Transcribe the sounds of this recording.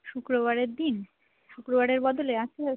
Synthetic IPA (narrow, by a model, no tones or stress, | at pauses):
ʃukɾoβaɾeɾd̪in | ʃukɾobaɾeɾbɔd̪oleat͡ʃke